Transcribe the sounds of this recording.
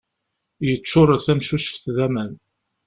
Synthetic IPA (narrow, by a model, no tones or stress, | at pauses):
jət͡sːʊɾˤəθæmʃuʃə̥fθðæmæn